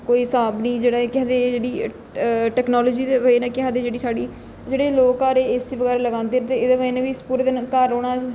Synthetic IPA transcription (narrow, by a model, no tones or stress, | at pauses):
koːiːsaːbniːd͡ʒeːɽaːekɪɦãːd̪ed͡ʒeːɽiː | ʈɛːknaːloːd͡ʒiːd̪eːʋəiːnãːkɪãːd̪eːd͡ʒeːɽiːsaːɽiː | d͡ʒeːɽeːloːkaːɾeːɪsiʋəɡɛːɾːləɡãːnd̪eːɾt̪eːɪd̪eːʋənãʋiːspuːɾd̪nkəɾoːɽaː